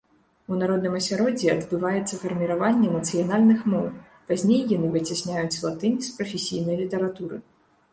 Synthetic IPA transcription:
unaɾɔd̪nɨmɐsʲaɾɔd͡zʲɛɐd̪bɨvajɛt̪sːɐfɐrmʲiɾavanʲːɛɛmɐt̪sɨjanalʲnɨxmɔw | pazʲnʲejːanɨvɨt͡sʲasʲnʲajut͡sʲzlˠat̪ɨnʲispɾɐfʲesʲijnɐjlʲit̪ɐɾat̪uɾɨ̰

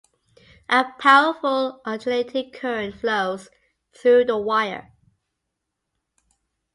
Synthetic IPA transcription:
ʔəpʰaʊəfəlʔətʰlæ̃ntʰɪkʰːɜ˞ɨ̃nfloʊz̥ | θɹʉðəwaɪə̰˞

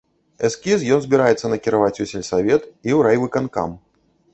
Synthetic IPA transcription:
ɛskʲisjɔnzʲbʲiɾajɛt̪sːɐnɐkʲiɾavat͡sʲusʲɛlʲsavʲɛt̪iwɾajvɨkanka̰m

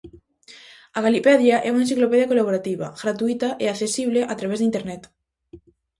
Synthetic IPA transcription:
aɣalipɛðjaʔɛunaẽnsiklopeðjakolaβoɾat̪iβa̰ɣɾat̪uit̪aʔeakθesiβ̞leʔat̪ɾaβezðint̪eɾnɛt̪

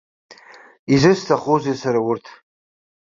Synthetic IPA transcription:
izɨstʰaχozesaɾawʊrtʰ

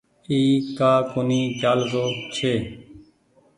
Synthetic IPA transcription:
iːkaːkoːniːt͡ʃaːlzoːt͡ʃʰeː

